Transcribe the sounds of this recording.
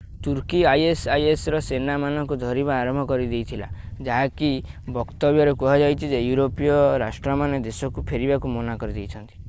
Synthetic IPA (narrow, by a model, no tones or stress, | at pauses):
t̪uɾkiajesajesɾɔsenamanɔŋkud̪ʱɔɾibaːɾɔmbʱɔkɔɾid̪ejt̪ʰila̰d͡ʒaɦakibɔkt̪ɔbjɔɾekuɦad͡ʒajt͡ʃ̪ʰid͡ʒejuɾopijɔɾasʈɾɔmaned̪esɔkupʰeɾibakumonakɔɾid̪ejt͡ʃʰɔnt̪i̥